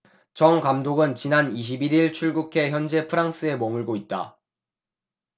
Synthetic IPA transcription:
t͡ɕʌŋkamdoɡɯnt͡ɕinaniɕ̬ʰibiɾiɭt͡ɕʰuɭɡukʰe̞çjʌnd͡ʑe̞pʰɯɾaŋs͈ɯe̞mʌmuɭɡoit̚t͈a̰

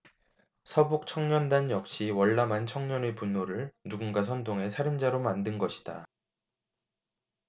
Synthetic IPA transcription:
sʰʌbok̚t͡ɕʰʌŋɲʌndanjʌk̚ɕ͈iwʌɭːamant͡ɕʰʌŋɲʌnepunːoɾɯɭnuɡunɡas̬ʰʌndoŋe̞sʰaɾɯnd͡ʑaɾomandɯnɡʌɕʰi̥d̥a̰

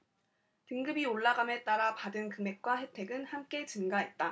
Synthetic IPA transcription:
tɯŋɡɯbioɭːaɡame̞t͈aɾapadɯnkɯme̞k̚k͈waɦe̞tʰe̞ɡɯnhamk͈e̞t͡ɕɯnɡaɦe̞t̚t͈a

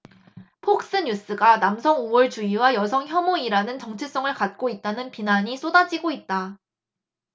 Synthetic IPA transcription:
pʰok̚s͈ɯɲus͈ɯɡanamsʰʌŋowʌɭt͡ɕuiwajʌsʰʌŋçjʌmoiɾanɯnt͡ɕʌŋt͡ɕʰis͈ʌŋɯɭkat̚k͈oit̚t͈anɯnpinaɲis͈odad͡ʑiɡoit̚t͈a

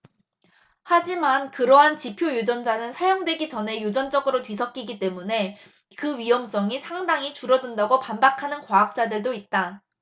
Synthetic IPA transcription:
had͡ʑimankɯɾʌɦant͡ɕipʰjojud͡ʑʌnd͡ʑanɯnsʰajoŋdwe̞ɡid͡ʑʌne̞jud͡ʑʌnd͡ʑʌɡɯɾotwɥisʰʌk̚k͈iɡit͈e̞mune̞ | kɯɥiʌms͈ʌŋisʰaŋdaŋit͡ɕuɾʌdɯndaɡopambakʰanɯnkwaːk̚t͡ɕ͈adɯɭdoit̚t͈a

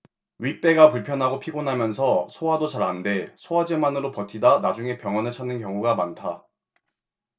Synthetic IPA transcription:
ɥit͈e̞ɡapuɭpʰjʌnɦaɡopʰiɡonɦamjʌnsʰʌsʰowadot͡ɕaɾɦande̞sʰoɦad͡ʑemanɯɾopʌtʰidanad͡ʑuŋe̞pjʌŋʌnɯɭt͡ɕʰanːɯnkjʌŋuɡamantʰa

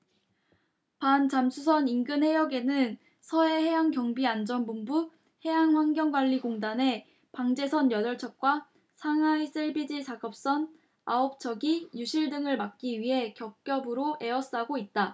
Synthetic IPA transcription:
pant͡ɕamsʰus̬ʰʌninɡɯnɦhe̞jʌɡe̞nɯn | sʰʌe̞he̞ɦaŋkjʌŋbiand͡ʑʌnbumbu | he̞jaŋɸwanɡjʌŋɡwaʎːiɡoŋdane̞ | paŋd͡ʑe̞sʰʌnjʌdʌɭt͡ɕʰʌk̚k͈wa | sʰaŋais͈ɯɭbid͡ʑisʰaɡʌp̚s͈ʌn | aop̚t͡ɕʰʌɡijuɕʰiɭdɯŋɯɭmak̚k͈iɥiɦe̞kjʌk̚k͈jʌbɯɾoe̞ʌs͈aɡoit̚t͈a

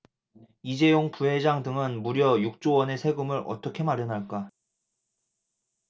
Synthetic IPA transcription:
id͡ʑe̞joŋpuɦe̞d͡ʑaŋdɯŋɯnmuɾjʌjuk̚t͡ɕ͈owʌne̞sʰe̞ɡɯmɯɾʌ̰t͈ʌkʰe̞maɾjʌnɦaɭk͈a

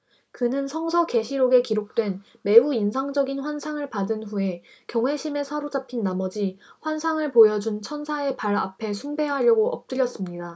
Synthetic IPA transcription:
kɯnɯnsʰʌŋsʰʌke̞ɕʰiɾoɡe̞kiɾok̚t͈we̞n | me̞uinsʰaŋd͡ʑʌɡinɸwansʰaŋɯɭpadɯnɸue̞ | kjʌŋwe̞ɕʰime̞sʰaɾod͡ʑapʰinːamʌd͡ʑiɸwansʰaŋɯɭpojʌd͡ʑunt͡ɕʰʌnsʰae̞paɾa̰pʰe̞sʰumbe̞ɦaʎjʌɡoʌp̚t͈ɯɾjʌs͈ɯmɲida

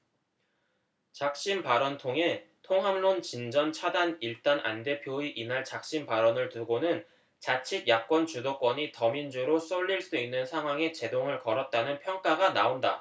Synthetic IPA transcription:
t͡ɕak̚ɕ͈inpaɾʌntʰoŋɦe̞tʰoŋɦamlont͡ɕind͡ʑʌnt͡ɕʰadaniɭt͈anʔa̰nde̞pʰjoiʔinaɭt͡ɕak̚ɕ͈inpaɾʌnɯɭtuɡonɯn | t͡ɕat͡ɕʰid̚jak̚k͈wʌnt͡ɕudok͈ʌɲitʌmind͡ʑuɾos͈ʌʎːiɭs͈uinːɯnsʰaŋɦwaŋe̞t͡ɕe̞doŋɯɭkʌɾʌt̚t͈anɯnpʰjʌŋk͈aɡanaonda̰

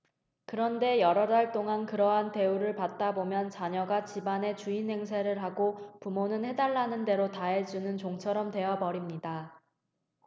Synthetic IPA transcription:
kɯɾʌnde̞jʌɾʌdaɭt͈oŋankɯɾʌɦante̞uɾɯɭpat̚t͈abomjʌnt͡ɕaɲʌɡat͡ɕibane̞t͡ɕuinɦe̞ŋsʰeɾɯɭɦaɡopumonɯnhe̞daɭːanɯnde̞ɾotaɦe̞d͡ʑunɯnt͡ɕoŋt͡ɕʰʌɾʌmte̞abʌɾimɲida

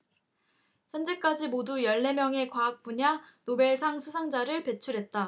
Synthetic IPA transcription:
çjʌnd͡ʑe̞k͈ad͡ʑimodujʌɭːe̞mjʌŋe̞kwaːk̚p͈uɲanobe̞ɭsʰaŋsʰusʰaŋd͡ʑaɾɯɭpe̞t͡ɕʰuɾɦe̞t̚t͈a

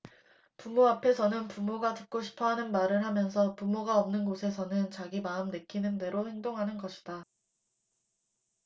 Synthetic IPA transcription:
pumoapʰe̞sʰʌnɯnpumoɡatɯk̚k͈oɕʰi̥pʰʌɦanɯnmaɾɯɭɦamjʌnsʰʌpumoɡaʌmnɯnɡosʰe̞s̬ʰʌnɯnt͡ɕaɡimaɯmnɯkʰinɯnde̞ɾohe̞ŋdoŋɦanɯnɡʌɕʰi̥d̥a

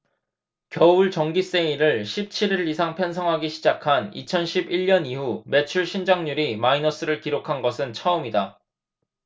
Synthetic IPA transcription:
kjʌuɭt͡ɕʌŋɡis͈eiɾɯɭɕʰip̚t͡ɕʰiɾiɾɯɾisʰaŋpʰʌnsʰʌŋɦaɡiɕʰid͡ʑakʰanit͡ɕʰʌnɕʰibiɭːʌnihume̞t͡ɕʰuɭɕʰind͡ʑaŋɲuɾimainʌs͈ɯɾɯɭkiɾokʰanɡʌsʰɯnt͡ɕʰʌumida

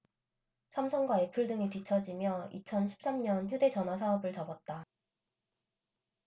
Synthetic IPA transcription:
sʰamsʰʌnɡwaepʰuɭdɯŋitɥit͡ɕʰʌd͡ʑimjʌḭt͡ɕʰʌnɕʰi̥p̚s͈amɲʌnçjude̞t͡ɕʌnɦwas̬ʰaʌbɯɭt͡ɕʌbʌt̚t͈a

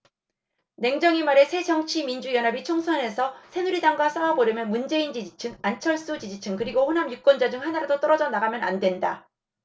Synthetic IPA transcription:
ne̞ŋd͡ʑʌŋimaɾe̞sʰe̞d͡ʑʌŋt͡ɕʰimind͡ʑujʌnɦabit͡ɕʰoŋsʰʌne̞sʰʌsʰe̞nuɾidaŋɡwas͈awaboɾjʌmjʌnmund͡ʑe̞ind͡ʑid͡ʑit͡ɕʰɯŋant͡ɕʰʌɭs͈ud͡ʑid͡ʑit͡ɕʰɯŋkɯɾiɡohonɦamjuk͈wʌnd͡ʑad͡ʑɯŋhanaɾadot͈ʌɾʌd͡ʑʌnaɡamjʌnandwe̞nda

